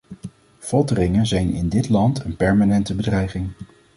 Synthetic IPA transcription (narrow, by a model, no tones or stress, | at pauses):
v̥ɔtərɪŋənzɛjnɪ̰ndɪtlɑntənpɛɹmanɛntəbədrɛjχɪŋ